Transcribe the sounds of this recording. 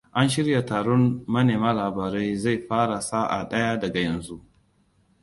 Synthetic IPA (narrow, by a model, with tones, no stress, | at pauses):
ʔa˦nʃɪ˦ɾja˨taː˨ɽɔ˦nːɐ˦neː˨maː˦laː˨baː˨ɾa˦jza˦˨jɸaː˦ɽa˨saː˦ʔa̰˨ɗɐ˦ja˦dɐ˨ɡa˨jɐ˨nzu˦ʔ